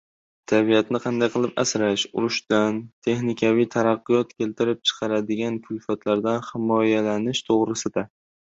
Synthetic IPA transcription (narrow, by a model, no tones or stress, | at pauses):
t̪ʰabijat̪nɪqʰɑnd̪ajqʰɨlˠɪpa̰sɾaʃʊɾʊʃd̪ant̪ʰe̞χnɪkʲʰavijt̪ʰaɾɑqːʊjɒt̪kʲʰe̞lt̪ʰɪɾɪp̚t͡ʃʰɨ̥qʰɑɾad̪ɪɡʲankʰʊjfat̪ʰlaɾd̪anhɪmɒjalanɪʃt̪ʰoʁɾɪsɪd̪a